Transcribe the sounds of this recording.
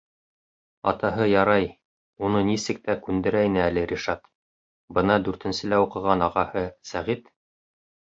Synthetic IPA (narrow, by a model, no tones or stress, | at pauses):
ɑ̰t̪ɑɦɤjɑɾɑj | unɤnisɘk̚t̪ækʉnd̪ɘ̆ɾæinɘælɘɾʲiʃɑt̪ | bɤnɑd̪ʉɾt̪ɘ̆nsɘ̆læuqɤ̆ʁɑnɑʁɑhɤsæʁit̪